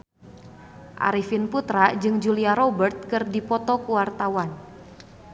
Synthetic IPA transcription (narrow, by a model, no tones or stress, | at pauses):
ʔa̰ɾifinput̪ɾad͡ʒɨŋd͡ʒuliaɾɔbərt̪̚kɨrdipɔt̪ɔkuwart̪awan